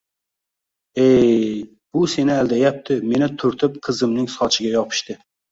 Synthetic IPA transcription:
ej | b̥ʊsenɪæld̪ajap̚t̪ʰɪme̞nɪt̪ʰʊɾt̪ʰɪp̚qʰɨzɨmnɪŋsɒt͡ʃʰɪɡʲajɒpʰɨ̥ʃt̪ɪ

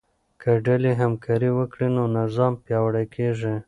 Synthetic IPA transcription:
kʰəɖaliɦamkʰɑɾiwəkɽinonazɑmpjɑwɽajkʰeʐi

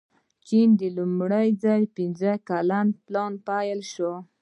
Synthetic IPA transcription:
t͡ʃind̪əlumɽajd͡zajpinzəkalanplɑnpajəlʃo

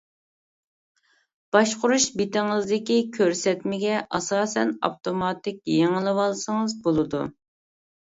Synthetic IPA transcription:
b̥ɑʃqʊɾuʃbet̪ɪŋɨzd̪ɪkʲikʲʰøɾsɛt̪mɪɡʲɛʔɑsɑːsɛnɑ̰ft̪ʰomɑt̪ɪkʲjeŋɨlˠɨwɑlˠsəŋəzbolˠɨd̪ṵ

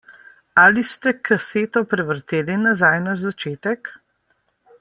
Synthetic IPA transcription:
alist̪ɛkʰaseːt̪ɔpɾɛʋəɾt̪eːlinazajnaʒzat͡ʃeːt̪ɛk

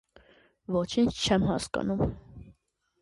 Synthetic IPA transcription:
vɔt͡ʃʰint͡ʃʰt͡ʃʰɛmɦɑskɑ̰num

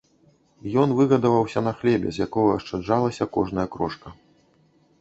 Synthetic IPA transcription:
jɔnvɨɣɐd̪ɐvɐwsʲɐnɐxlʲɛbʲɛ̰zʲjakɔɣɐɐʂt͡ʂad͡ʐalˠɐsʲɐkɔʐnɐjɐkɾɔʂkɐ

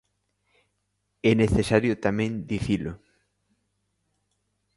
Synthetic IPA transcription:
ɛneθesaɾjʊt̪amɛ̃nd̪iθilʊ

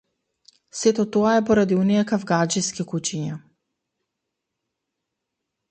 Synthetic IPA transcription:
sɛt̪ɔt̪ɔaɛpɔɾad̪iunijakavɡad͡ʒiskikut͡ʃiɲa

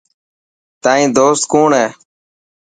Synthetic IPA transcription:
t̪aːĩːd̪oːst̪kuːɳɦɛː

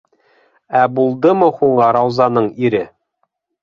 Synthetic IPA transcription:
æbulˠd̪ɤmɤhuɴɢɑɾɑwzɑnɤɴiɾɘ

